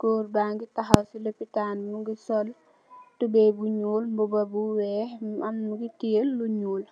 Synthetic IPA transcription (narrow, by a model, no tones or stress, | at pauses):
ɡ̥ɔːrbaːŋɡitɐɦɐwsilepitaːnmuɡisɔl | tubɛbuɲuːlmbubɐbuwɛːɐmnuɡitilːuɲuːl